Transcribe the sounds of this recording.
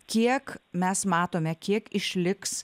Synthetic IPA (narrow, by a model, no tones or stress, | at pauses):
kʲiɛkmʲɛsmɑːt̪oːmʲɛkʲiɛkɪʃʲlʲɪks